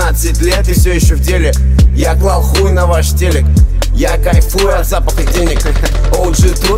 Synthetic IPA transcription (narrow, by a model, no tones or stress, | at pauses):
at̪sɨtʲlʲet̪ɨfsʲojɪɕːovtʲelʲɪ | jaklˠalˠxujʊnɐvaʂtʲelʲɪk | jakajfujʊɐd̪zapəxʲɨdʲenʲɪk | o | ʐɨt̪u